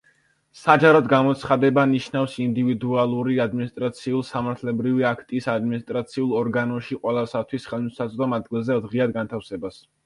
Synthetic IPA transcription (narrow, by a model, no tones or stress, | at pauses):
sad͡ʒaɾɔd̪ɡamɔt̪sʰχad̪ɛbaniʃnafsind̪ivid̪ualˠuɾiad̪minist̪ʼɾat̪sʰiulˠsamaɾt̪ʰlɛbɾiviakʰt̪ʼisad̪minist̪ʼɾat̪sʰiulˠɔɾɡanɔʃiqʼwɛlˠasat̪ʰwisχɛlˠmisat̪sʼd̪ɔmad̪̚ɡilˠzɛd̪ʁiad̪̚ɡant̪ʰafsɛbas